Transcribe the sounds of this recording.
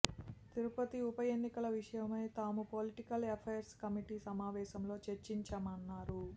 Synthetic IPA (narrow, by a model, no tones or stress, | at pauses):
t̪iɾupɐt̪iupɐjenːikɐlɐʋiʂɐjɐmɐjt̪aːmupoliʈikɐlepʰeːɐɾskɐmiʈisɐmaːʋɛːʃɐmlo̞ːt͡ʃeɾt͡ʃiɲt͡ʃɐmɐnːaːɾu